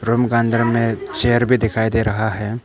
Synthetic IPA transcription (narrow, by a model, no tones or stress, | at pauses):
ɾʊmɡãːnd̪əɾmẽt͡ʃeːjəɾbʱid̪ɪkʰaːid̪eːɾɐɦaɦɛː